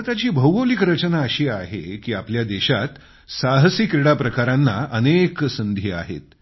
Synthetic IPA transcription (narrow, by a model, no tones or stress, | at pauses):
t̪at͡ɕiːbʱəwɡəwlikɾət͡ɕənaəɕiːaɦḛkiːapljad̪eɕat̪ | saɦsikɾiɽapɾəkaɾanːaʔəneksənd̪ʱiːa̰ɦḛt̪